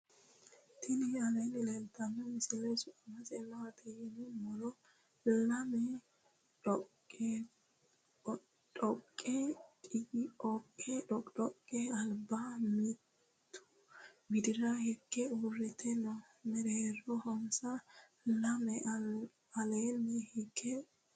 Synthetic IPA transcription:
t̪ʰɪnɪɐlɛnɪlɛnt̪ːɐmːɛmɪsɪlɛsʊɐmɐzɛnːɐɐt̪ʰiɪnɪmɔlɔ | lɐmɛ | ɔ | ɔkʼːɛkʼɪɡɔkʼːɛᶑɔɔkʼːɛɐlbamɪt̪ʰː | ʊ̥ | ɡɪd̪ɪɾɐhɪkːɛurːɪt̪ʰɛnɔ | mɛɾeːɾɔhɔnsɐ | lɐmɛ | ɐleːnːɪhɪkʰːɛ

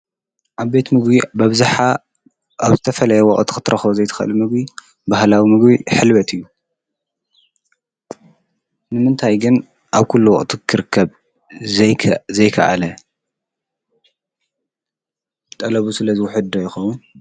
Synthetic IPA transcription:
ʔaβbe̞t̪mɨɡbibɐβzaħa | aβzɨt̪ʰɐfɐlɐjɛwɔ̰ʔʼt̪ʰu̥xɨt̪ʰɾʔɐxβozɐjt̪ʰɐ̥xʔɨ̰lumɨɡbi | bahlawimɨɡbiħɨlβɐt̪ʰɨjːu | nɨmɨnt̪ʰajɡɨn | ʔaβkʰulːuwɔ̰ʔʼt̪ʰukʰɨɾɨkʰːɐβʰ | zɐjkʰɐ̰ʔa̰lɐ | t̪ʼɐlɐβusɨlɐzɨwʊħɨd̪d̪ojɪxɐwʊn

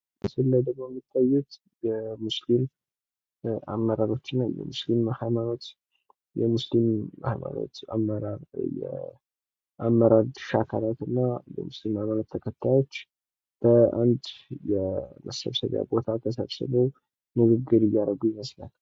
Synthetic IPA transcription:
məsɨlːad̪əɡmojɛmːit̪ʰʼːajːut̪ | jɛmuslim | a̰mːəɾaɾo̞t͡ʃːɪnːajɛ̰muslimhajmano̞t̪ | jɛmuslimha̰jma̰no̰t̪a̰mːəɾaɾjɛ̰ | ʔamːəɾaɾd̪ʃakʰalat̪ɨnːajɛ̰muslimhajmanot̪ʰːəkʰət̪ʰːajo̞t͡ʃː | b̥əand̪jɛmə̰sə̰βsə̰βja̰bo̞t̪ʰat̪ʰəsəβsɨ̰βəw | nɨɡɨɡːɨɾɨjːaɾəɡujɪməslal

